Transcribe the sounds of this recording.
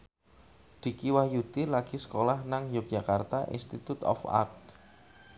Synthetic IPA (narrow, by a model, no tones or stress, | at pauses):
d̪̥i̤kiwahjut̪ilaɡ̥isə̥kolahnaŋjok̚ʒ̥a̤kart̪aʔḭnst̪it̪ut̪ɔ̰fa̰k̚t̪